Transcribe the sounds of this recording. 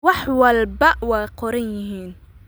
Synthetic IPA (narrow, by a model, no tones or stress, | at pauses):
wɑħwɐlbɐwɑːqɔɾɐnjɪɦiːn